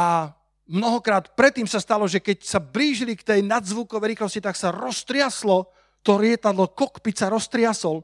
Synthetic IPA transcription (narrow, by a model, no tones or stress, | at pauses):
a | mnɔɦɔkɾaːt̪pɾɛt̪ːiːmsast̪alɔʒɛkɛcsabliːʒilikt̪ɛjnad̪zʋukɔʋɛjɾixlɔscit̪aksaɾɔst̪ɾɪaslɔ | t̪ɔɾɪɛt̪ad̪lɔkɔkpit͡saɾɔst̪ɾɪasɔl